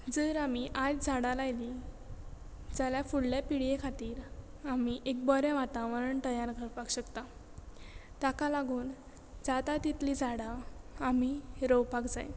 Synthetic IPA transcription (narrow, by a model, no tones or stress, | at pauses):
d͡zəɾamiʔatd͡zaɽalajli | d͡zaljafuɽljapiɽjekʰat̪iːɾ | amiʔek̚bɔɾjaʋat̪ãʋəɾəɳʈ̪əjaɾɡəɾpaɡɕəkt̪a | t̪akalaɡʱuːn | d͡zat̪at̪it̪lid͡zaɽaamiɾəwpakd͡zaj